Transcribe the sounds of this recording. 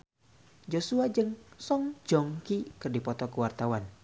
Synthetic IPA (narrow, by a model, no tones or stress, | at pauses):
d͡ʒosuad͡ʒɨŋsɔŋd͡ʒɔŋkikɨrdipɔt̪ɔkəwart̪awan